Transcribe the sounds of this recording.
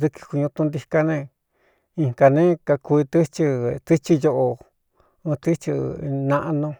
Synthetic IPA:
ðɨ˧ki̥˧ku˧ɲũ˧t̪ũ˧nd̪i˧ka˧nẽ˧ | i˧ŋka˧nẽ˦ka˧ku˧i˧t̪ɨ˦t͡ʃi˧t̪ɨ˦t͡ʃi˦jo˧ʔo˧ | ɨ̃˧t̪ɨ˦t͡ʃi˧nã˧ʔa˧nõ˧

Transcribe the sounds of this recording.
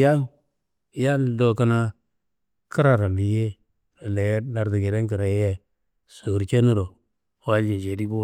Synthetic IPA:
ja˦ | ja˦ldo˨ka˦na˦ | kə˦ɾa˨ɾa˨li˨je˦ | a˨le˨˦na˨ɾdi˨ɡe˨de˦ŋkə˨ɾa˨jje˨ | su˨ɾt͡ʃe˦nu˦ɾo˨ | wa˨˦d͡ʒe˨d͡ʒe˨ɾi˦ɡu˦˨

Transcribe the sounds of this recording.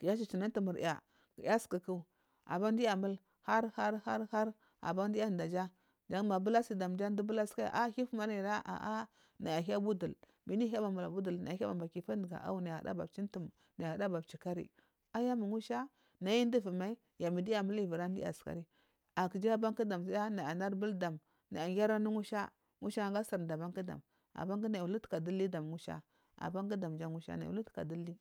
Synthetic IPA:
ki˨ja˦t͡ʃ̬i˨t͡ʃi˨na˦n˦tu˨mu˨ɾ̰ja̰˨ | kja˦skə˨ku˦˨ | a̰˨ba˦ndi˦ja˨mu˦l | ha˦ɾha˦ɾha˦ɾha˦ɾ | a̰˨ba˦ndi˦a˦˨da˨d͡ʒa˦ | d͡ʒa˦ŋ˦ma˨bu˦la˦si˨da˨m˨d͡ʒa˦n˦di˦bu˦la˦ska̰˦˨ʔa˦hi˦fma˦ɾi˨ɾa˦ʔa̰˨ʔa˦ | na˨ja˨ɦi˦a˦bu˦du˨l | mi˦ni˦a˦ba˨mu˨la˨bu˦du˨lna̰˨ja˨˦a˦a˨ba˨ki˨fa˦ndə˨ɡa̰˨ʔa̰˦wu˦na˨ja˨a̰˨da̰˦ba˨bt͡ʃi˦n˦tu˨m | na˨a˨a˨da˦ba˨bt͡ʃi˨ka˦ɾḭ˨ | a˦ja˦mu˨ŋu˦ʃa˦ | na˨ji˦ndi˦vi˨ma˦i˦ | ja˨mi˨di˦ja˨mu˦li˦˨vi˨ɾa˦n˦dḭ˦a̰˨ska̰˨ɾi˦ | a˨kə˨d͡ʒa˦ba˦ŋki˦da˨msa˦ja˦na˨a˨na˦ɾbə˦lda˨m | na˨a˨ɡʲa˦ɾa˦nu˦ŋu˦ʃa˦ | ŋu˦ʃa˦˨ŋɡa˦sa˨ɾda˨ba˦ŋkə˦da̰˨m | a̰˨ba˦ŋɡi˦na˨u˨lu˦tka˨du˦li˦da˨m˨ŋu˦ʃa̰˦ | a̰˨ba˦ŋɡa˦da˨md͡ʒa˦ŋu˦ʃa̰˦na˨ṵ˨lu˦tka̰˨di˦li˦

